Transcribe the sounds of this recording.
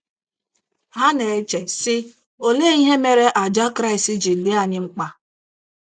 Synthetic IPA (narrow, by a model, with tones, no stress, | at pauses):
ɦa˦ne˨e˦t͡ʃe˨sɪ˦ | o˨le˦i˦ɦe˦me˨ɾe˦ʔa˨d͡ʒa˦kɾa˦i˨si˦d͡ʒi˨li˦a˨ɲɪ˦ŋ͡m̩˦k͡pa˦